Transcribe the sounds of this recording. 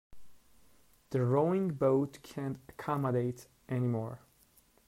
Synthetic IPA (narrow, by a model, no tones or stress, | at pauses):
ðɨɹoʊɪ̃ŋboʊtkʰæ̃ntəkʰɑməɾeɪt | ʔɛnimɔɹ